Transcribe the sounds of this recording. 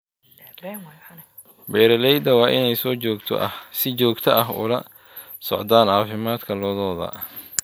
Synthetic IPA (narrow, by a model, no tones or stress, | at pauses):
bɛːɾɐlɛjd̪ɐwɑːʔɪnɛjsɔːt͡ʃɔːɡt̪ʰɔ̰ʔɐ̰hsɪt͡ʃɔːɡt̪ʰɐʔɐɦʊ̰lɐ | sɔ̰ʕd̪aːnʕɑːfɪmaːd̪kʰɐlɔːðɔːðɐ̰